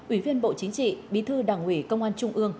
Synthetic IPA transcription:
ʔwi˧˩vi˧ənɓo̰˧˨t͡ɕï˨˦ŋ̟t͡ɕḭ˧˨ɓḭ˧˩˦t̪ʰɨ˧ɗaː˨˩ŋwi˨˧˩kə˧wŋ͡mʔaː˧nt͡ɕʊ˧ŋ͡mʔɨ˧əŋ

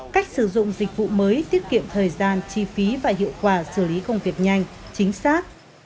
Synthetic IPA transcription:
ka˦˥jk̟̚sɨ˧˩zʊ̰˧˨ŋ͡mzï˨˩k̟̚vṵ˧˨məː˨˦jt̪i˦˥əp̚kḭ˧˨əmt̪ʰəː˨˩jzaː˧nt͡ɕi˧fi˨˦vaː˨˩ɦḭ˧˨əwkwaː˧˩sɨ˧˩li˨˦kə˧wŋ͡mvi˨˩ək̚ɲa˧jŋ̟t͡ɕï˨˦ŋ̟saː˦˥t̚

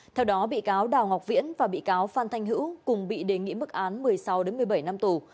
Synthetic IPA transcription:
t̪ʰɛ˧wɗɔ˨˦ɓḭ˧˨kaː˨˦wɗaː˨˩wŋa˨˩k͡p̚vḭ˧˥ənvaː˨˩ɓḭ˧˨kaː˨˦wfaː˧nt̪ʰa˧jŋ̟ɦɨ̰˧˥wkʊ˨˩ŋ͡mɓḭ˧˨ɗe˨˩ŋḭ˧˥mɨ˦˥k̚ʔaː˨˦nmɨ˨˩əjsa˨˦wɗe˨˦nmɨ˨˩əjɓə˧˩jna˧mt̪u˨˩

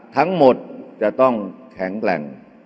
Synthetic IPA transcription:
t̪ʰa˦˥ŋmo˨˩t̪̚t͡ɕa˨˩t̪ɔ˥˩ŋkʰɛ˩˦ŋklɛ̰˨˩ŋ

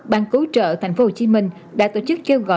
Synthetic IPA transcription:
ɓaː˧ŋku˨˦t͡ɕə̰ː˧˨t̪ʰjŋ̟fo˦ho˧˩t͡ɕi˨˦mï˧ŋ̟ | ɗa̰ː˧˥t̪o˧˩t͡ɕɨ˦˥k̚ke˧wɣɔ̰˧˨

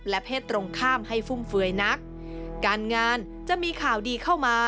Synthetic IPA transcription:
lɛ˦˥pʰeː˥˩t̪ːɾo˧ŋkʰaː˥˩mha˥˩jfu˥˩mfɯ˧əjna˦˥k̚ː | aː˧nŋaː˧n | t͡ɕa˨˩ʔmiː˧kʰaː˨˩˦wdiː˧kʰa˥˩wmaː˧

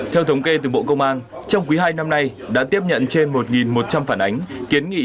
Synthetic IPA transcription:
t̪ʰɛ˧wt̪ʰə˨˦wŋ͡mke˧t̪ɨ˨˩ɓo̰˧˨kə˧wŋ͡mʔaː˧nt͡ɕɔ˧wŋ͡mk̬wi˨˦ɦaː˧jna˧mna˧jɗa̰ː˧˥t̪i˦˥əp̚ɲə̰˧˨nt͡ɕe˧nmo˨˩t̚ŋi˨˩nmo˨˩t̚t͡ɕa˧mfaː˧˩nʔa˨˦jŋ̟ki˨˦ənŋḭ˧˨

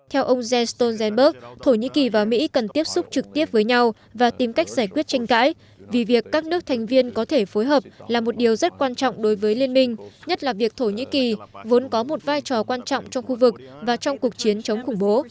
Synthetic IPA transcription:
t̪ʰɛ˧wʔə˧wŋ͡mzɛ˧st̪o˧nzɛ˧nɓə˦˥k̚t̪ʰo˧˩ɲḭ˧˥ki˨˩vaː˨˩mḭ˧˥kə˨˩nt̪i˦˥əp̚sʊ˦˥k͡p̚t͡ɕɨ˨˩k̚t̪i˦˥əp̚vəː˨˦jɲa˧w | vaː˨˩t̪i˨˦mka˦˥jk̟̚zaː˧˩jkwət̚t͡ɕɛ˧jŋ̟ka̰ː˧˥j | vi˨˩vi˨˩əkːaː˦˥k̚nɨ˦˥ət̪ʰa˨˩ŋ̟vi˧ənkɔ˨˦t̪ʰe˧˩fo˨˦jɦəː˨˩p̚laː˨˩mo˨˩t̚ɗi˨˩əwzə˦˥t̚kwaː˧nt͡ɕɔ̰˧˨wŋ͡mɗo˨˦jvəː˨˦jli˧nmï˧ŋ̟ɲə˦˥t̚laː˨˩vi˨˩ək̚t̪ʰo˧˩ɲḭ˧˥ki˨˩vo˨˦nkɔ˨˦mo˨˩t̚vaː˧jt͡ɕɔ˨˩kwaː˧nt͡ɕɔ̰˧˨wŋ͡mt͡ɕɔ˧wŋ͡mxu˧vɨ˨˩k̚vaː˨˩t͡ɕɔ˧wŋ͡mku˨˩ək̚t͡ɕi˨˦ənt͡ɕə˨˦ŋ͡mxʊ˧˩ŋ͡mɓo˨˦

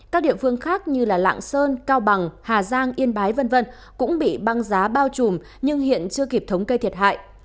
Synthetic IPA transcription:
kaː˦˥k̚ɗḭ˧˨əfɨ˧əŋxaː˦˥k̚ɲɨ˧laː˨˩la̰ː˧˨ŋsəː˧nkaː˧wɓa˨˩ŋhaː˨˩zaː˧ŋʔi˧ənɓaː˨˦jvə˧nvə˧n | kʊ̰˧˥ŋ͡mɓḭ˧˨ɓa˧ŋzaː˨˦ɓaː˧wt͡ɕu˨˧˩m | ɲɨ˧ŋhḭ˧˨ənt͡ɕɨ˧əki˨˩p̚t̪ʰə˨˦wŋ͡mkə˧jt̪ʰi˨˩ət̚ha̰ː˧˨jʔ

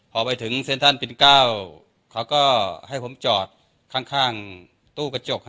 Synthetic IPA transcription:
pʰɔː˧˩pa˧jt̪ʰɯ˩˦ŋse˧˨nt̪ʰa˧˥˩npe˧˩nkaː˧˥˩w | kʰa˨˥wkɔː˧˥˩ha˧˥˩jpʰo˧˦mt͡ɕɔː˨˩t̪̚ | kʰaː˧˩ŋkʰaː˧˥˩ŋ | t̪uː˧˩ka˧t͡ɕo˧˩k̚

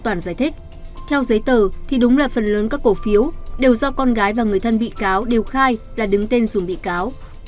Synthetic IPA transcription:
t̪waː˧˩nzaː˧˩jt̪ʰï˦˥k̚ | t̪ʰɛ˧wzə˨˦jt̪əː˨˩t̪ʰi˨˩ɗʊ˨˦ŋ͡mlaː˨˩fə˨˩nləː˨˦nkaː˦˥kːo˧˩fi˨˦əwɗe˨˩wzɔ˧kɔ˧nɣaː˨˦jvaː˨˩ŋɨ˨˩əjt̪ʰə˧nɓḭ˧˨kaː˨˦wɗe˨˩əwxaː˧jlaː˨˩ɗɨ˨˦ŋt̪e˧nzu˨˩mɓḭ˧˨kaː˨˦w

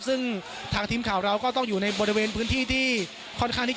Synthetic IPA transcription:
p̚sɯ˥˩ŋ | t̪ʰaː˧ŋt̪ʰiː˧mkʰaː˩˦wɾa˧wkɔː˥˩t̪ɔ˥˩ŋjuː˨˩na˧jbɔː˧ɾi˥˧weː˧npʰɯː˦˥nt̪ʰiː˥˩t̪ʰiː˥˩ | kʰɔː˥˩nkʰaː˥˩t̪ʰiː˥˩

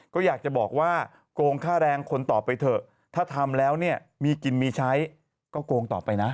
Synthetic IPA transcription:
kɔː˥˩jaː˨˩k̚t͡ɕa˨˩bɔː˨˩k̚waː˥˩ | koː˧ŋkʰaː˥˩ɾɛː˧ŋkʰo˧nt̪ɔː˨˩pːa˧jt̪ʰɤ˨˩ | t̪ʰaː˥˩t̪ʰa˧mlɛː˦˥wni˥˩ɐ | miː˧ki˧nmiː˧t͡ɕʰa˦˥j | kɔː˥˩koː˧ŋt̪ɔː˨˩pːa˧jna˦˥

